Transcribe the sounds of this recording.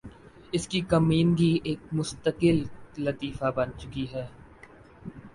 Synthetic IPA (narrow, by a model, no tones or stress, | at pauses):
ɪskikɐmiːnɡieːk̚mʊst̪əkɪllɐt̪iːfabɐnt͡ʃʊkiɦɛː